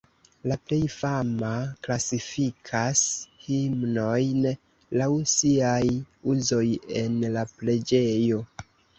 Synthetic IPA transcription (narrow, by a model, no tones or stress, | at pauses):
laple̞jfamaklasifikʰashimno̞jn | lawsiajuzo̞je̞nlaple̞d͡ʒe̞jo̞